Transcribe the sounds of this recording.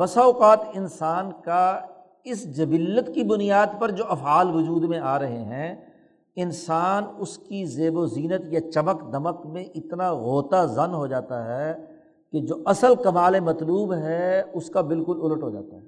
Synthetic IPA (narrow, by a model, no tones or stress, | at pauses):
bɐsaːʊqaːt̪ɪnsaːnka | ɪsd͡ʒɐbɪlət̪kibʊnijaːd̪pɐɾd͡ʒoːʔɐfaːlʋʊd͡ʒuːd̪mẽaːɾɐɦeɦɛ̃ | ɪnsaːnʊskizeːboziːnət̪jat͡ʃɐməkd̪ɐməkmẽʔɪt̪naɣoːt̪azɐnɦod͡ʒaːt̪aɦɛ | ked͡ʒoːʔɐsəlkɐmaːlemɐt̪luːbɦɛʊskabɪlkʊlʊləʈɦod͡ʒa̰ːt̪aɦɛː